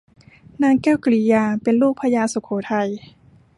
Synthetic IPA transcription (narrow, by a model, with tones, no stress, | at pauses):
naː˧˥ŋkɛː˥˨wkliː˧˩jaː˧pe˨nluː˥˩k̚pʰa˧jaː˧˥so˨˦kʰoː˨˦t̪ʰa˧˩j